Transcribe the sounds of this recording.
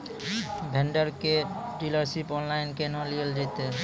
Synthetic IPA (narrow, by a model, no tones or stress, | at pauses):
bʱeɳɖəɾkeɖiləɾsipɔnlajnkenɔ̃liəld͡ʒajt̪e